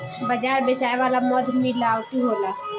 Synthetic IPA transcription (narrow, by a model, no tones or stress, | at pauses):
bəd͡ʒaɾbet͡ʃaeʋalamɔd̪ʱmilawt̪iɦola